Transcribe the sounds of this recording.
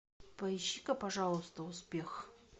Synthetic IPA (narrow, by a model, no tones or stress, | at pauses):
pɐɪɕːikəpɐʐɑlˠəst̪əʊspʲex